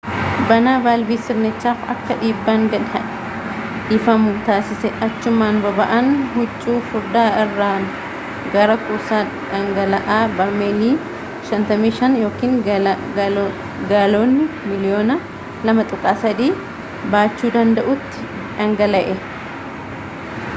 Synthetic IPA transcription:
bɐnaːbaːlbiːsɪɾnɪt͡ʃːaːfɐ̰kːɐᶑiːbːaːŋɡɐɐʔ | ᶑiːfɐmʊt̪aːsɪsɛʔɐt͡ʃːʊmaːnbɐbɐʔɐnhʊt͡ʃʼːuːfʊɾd̪aːɪrːaː | ɡɐɾɐkʼʊsaː | ᶑɐŋɡɐlɐʔaːbɐmeːliː | ʃɐnt̪ɐmiːʃɐnjo̞ːkiːn | ɡaːloːnːɪmɪlɪjo̞ːnɐ | lɐmɐt̪ʼʊkʼːaːsɐd̪iː | baːt͡ʃːuːd̪ɐnd̪ɐʔʊt̪ːɪ̥ | ᶑɐŋɡɐlɐʔɛ

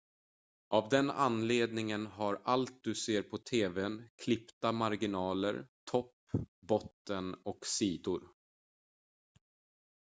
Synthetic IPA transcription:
ʔavd̪ɛna̰nːleːd̪nɪŋənɦaɾalt̪̚d̪ɵseːɾpʰɔt̪ʰeːvɛnkʰlɪpt̪amaɾɡɪnɑːlə̰ɾt̪ʰɔpː | bɔt̪ːənɔksiːd̪ʊɾ

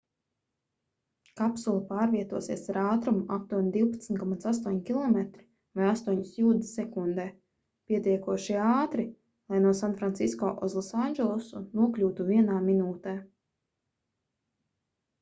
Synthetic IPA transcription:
kapsulˠapaːɾviɛt̪uɔsiɛsaɾaːt̪ɾumuat̪uɔnd̪iwpat̪snʲt̪kɔmat̪sast̪uɔɲkʲilˠɔmɛt̪ɾi̥ | vajast̪uɔɲisjuːd̪sɛkund̪ɛː | piɛt̪iɛkuɔʃiaːt̪ɾi | lˠajnuɔsanfɾant̪siskɔːʔɔzlˠasanʲd͡ʒɛlˠusunuɔklʲuːt̪uviɛnaːminuːt̪ɛː

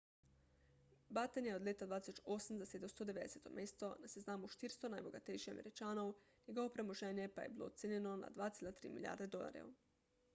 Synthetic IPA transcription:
bat̪enjeod̪lʲʎeːt̪ad̪ʋaːd̪isot͡ʃosamzased̪amst̪od̪eʋed̪eset̪o̞̰mʔeːst̪o̞naseznaːmuʃt̪iɾst̪o̞najboɡat̪ejʃiamʔḛɾit͡ʃaːno̞wniɡoopɾemoʒeːnjepajḛbilˠo̰t̪seɲe̞no̞na̰d̪ʋaːt̪slat̪ɾḭːmilija̰ːɾd̪e̞d̪o̞la̰ɾjḛu

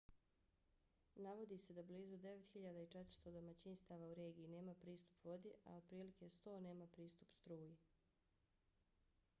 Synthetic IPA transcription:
naʋo̞d̪ise̞d̪abliːzud̪e̞ʋet̪xiʎad̪ait͡ʃet̪ɾ̩̥st̪od̪o̞mat͡ɕinst̪aːʋauɾe̞ːɡiine̞ːmapɾiːst̪u̥pʋo̞d̪iʔa̰o̞d̪̥̚pɾiːlike̞st̪o̞ːne̞ːmapɾiːst̪upst̪ɾuːji

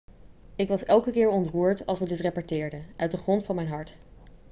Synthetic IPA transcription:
ɪkʋɑsɛlˠkəkɪːɹɔntruːɹtɑ̰lˠsʋədɪtrepaɹtɪːɹdəœɥt̚dəχrɔntfɑnmɛjnɦɑɹt

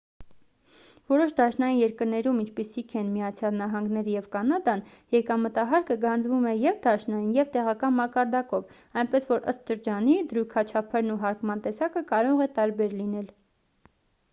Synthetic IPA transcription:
vɔɾɔʃd̪ɑʃnɑjinjɛɾkəɾnɛɾumint͡ʃʰpisikʰɛnmijɑt͡sʰjɑlnɑɦɑŋɡnɛɾəjɛvkɑnɑd̪ɑn | jɛkɑmət̪ɑɦɑɾkəɡɑnd͡zvumɛjɛvd̪ɑʃnɑjinjɛvt̪ɛʁɑkɑnmɑkɑɾd̪ɑkɔv | ɑjnpɛsvɔɾə̰st̪ʃəɾd͡ʒɑnid̪ɾujkʰɑt͡ʃʰɑpʰəɾnuɦɑɾkmɑnt̪ɛsɑkəkɑɾɔʁɛt̪ɑɾbɛɾlinɛl

